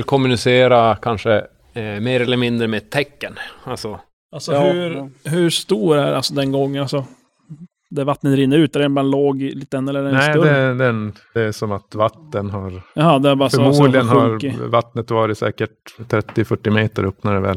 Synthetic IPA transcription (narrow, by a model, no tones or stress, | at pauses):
ɪlkʰɔmːʉnɪseːɾakʰanʂə | meːɾɛlːəɾmɪnd̪ɾəmeːd̚t̪ʰːɛkːənalsɔ | alsɔhɵɦɵʂt̪uːɾɖɛæ̰ɾa̰lsɔd̪ɛnɡɔŋːəalsɔ | d̪ævat̪nət̪ɾɪnːəɾʉːt̪æɾɛnbɑːɾaloːɡliːt̪əɛnːɛlːɛɾɛnɛsɪɵd̪ɛd̪ɛ | d̪ɛæʂɔmat̪vat̪ːənɦaɾɑɦɑːd̪ɛabɑːɾasfœmuːd̪lɪɡənhɾɪvat̪nət̪vɑːɾɪt̪sɛ̰ːkəʈ̚t̪ʰːɾɛt̪ːɪfœʈːɪmeːt̪əɾɵpnaɖɛvɛ̰l